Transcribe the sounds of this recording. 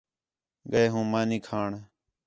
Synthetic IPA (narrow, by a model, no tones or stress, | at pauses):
ɠəeːɦũːmaːnĩːkʰaːɳ